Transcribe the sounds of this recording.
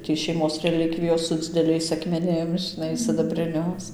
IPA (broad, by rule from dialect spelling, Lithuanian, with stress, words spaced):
tʲiː ʃʲɛɪˈmoːs rʲɛˈlʲɪkʋʲɪjoːs sʊ d͡zʲɪdʲɛˈlʲɛɪs ɐkmʲɛˈnʲɪm ʒʲɪˈnɐɪ sʲɪdɐbʲrʲɪˈnʲʊs